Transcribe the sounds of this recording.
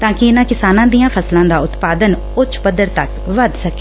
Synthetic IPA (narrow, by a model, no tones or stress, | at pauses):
t̪ãːkɪɪnãːkɪsaːnãːd̪ijãːpʰəslãːd̪aːʊt̪paːd̪ən | ʊt͡ʃʰpəd̪əɾt̪ək | ʋəd̪səke